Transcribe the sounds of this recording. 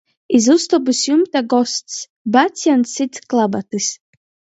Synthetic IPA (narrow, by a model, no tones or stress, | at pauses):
izust̪ɔbɨsjumt̪aɡɔst̪s | bat̪sʲjant̪sit̪sklˠabat̪ɨs